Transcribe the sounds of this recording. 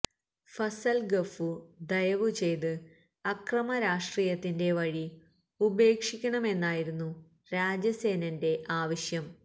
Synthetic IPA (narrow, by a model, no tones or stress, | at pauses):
fɐsɐlɡɐfud̪ɐjɐʋut͡ɕe̞jt̪ɨ | ɐkrɐmɐɾaːʂʈriːjɐt̪ːinde̞ʋɐɻi | ube̞ːkʂikʲːɐɳɐme̞nːaːjiɾunːu | ɾaːd͡ʑɐse̞ːnɐnde̞ʔaːʋɐɕjɐm